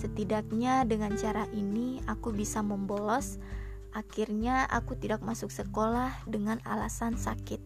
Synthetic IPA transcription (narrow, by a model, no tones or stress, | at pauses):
sət̪idak̚ɲadəŋant͡ʃaɾaʔiniakubisaməmbolɔs | ʔakirɲaʔa̰kut̪idak̚masʊksəkolahdəŋana̰lasansakɪt̪̚